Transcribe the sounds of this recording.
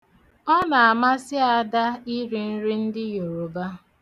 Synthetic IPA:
ɔ˦na˨a˨ma˦sɪ˦a˨˦da˦i˦ɾi˨n̩˦ɾi˦n̩˦dɪ˦jo˨ɾo˨ba˦

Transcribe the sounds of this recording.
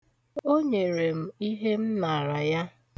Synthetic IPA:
o˦ɲe˨ɾe˨m̩˦i˦ɦe˦m̩˦na˨ɾa˨ja˦

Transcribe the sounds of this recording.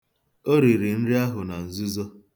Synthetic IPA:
o˦ɾi˨ɾi˨n̩˦ɾɪ˦a˦ɦʊ˨na˨n̩˨zu˦zɔ˦

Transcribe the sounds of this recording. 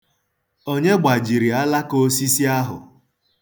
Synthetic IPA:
o˦ɲe˦ɡ͡ba˨d͡ʒi˨ɾi˨a˦la˦ko˦si˦si˦a˦ɦʊ̰˨

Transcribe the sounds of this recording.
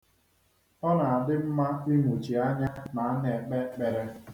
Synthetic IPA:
ɔ˦na˨a˨dɪ˦m̩˦ma˦i˦mu˨t͡ʃi˨a˦ɲa˦na˨a˦n˦e˨k͡pe˦k͡pe˨ɾe˦

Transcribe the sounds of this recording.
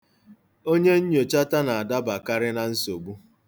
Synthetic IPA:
o˦ɲe˦ɲ̩˦ɲo˨t͡ʃa˦ta˦na˨a˨da˦ba˨ka˦ɾɪ˦na˨n̩˦so˨bu˦

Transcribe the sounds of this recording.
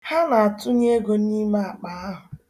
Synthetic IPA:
ha˦na˨a˨tʊ˦ɲe˦ɡo˨n˦i˦ma˦a˨k͡pa˨a˦ɦʊ˨

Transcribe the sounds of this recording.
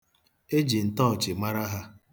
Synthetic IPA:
e˦d͡ʒi˨n̩˨tɔ˦˨t͡ʃɪ˨ma˦ɾa˦ɦa˦

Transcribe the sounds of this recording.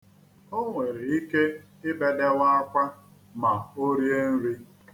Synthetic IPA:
o˦ŋʷe˨ɾi˨i˦ke˦ | ɪ˦be˨de˦wa˦a˦kʷa˦ | ma˨o˦ɾje˦n̩˦ɾi˦

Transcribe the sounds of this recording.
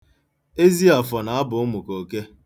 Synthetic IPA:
e˦zi˦a˨fɔ˨na˨a˦bʊ˨ʊ˦mʊ˨ko˨ke˦

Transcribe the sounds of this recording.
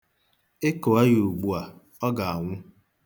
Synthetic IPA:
e˦ko˨a˦ɣu˨ɡ͡bu˨a˨ | ɔ˦ɡa˨a˨ŋʷʊ˦

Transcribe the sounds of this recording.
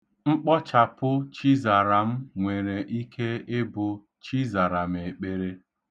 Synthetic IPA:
ŋ͡m̩˦k͡pɔ˦t͡ʃa˨pʊ˦t͡ʃi˦za˨ɾa˨m̩˦ŋʷe˨ɾe˨ʔi˦kʰe˦e˦bʊ˨ | t͡ʃi˦za˨ɾa˨m̩˨e˨k͡pe˨ɾe˦

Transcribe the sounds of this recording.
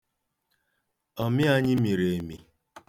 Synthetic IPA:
ɔ˨mɪ˦a˦ɲɪ˦mi˨ɾe˨e˨mi˨

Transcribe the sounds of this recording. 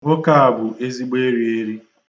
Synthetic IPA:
ŋo˦ka˨a˨bʊ˨ʔe˦zi˦ɡ͡be˦ɾi˨e˦ɾi˦

